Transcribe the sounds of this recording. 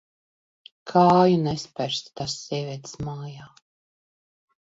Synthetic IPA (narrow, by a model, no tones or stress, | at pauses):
kʰaːjunɛspæɾst̪t̪asːiɛvʲiɛt̪smaːjaː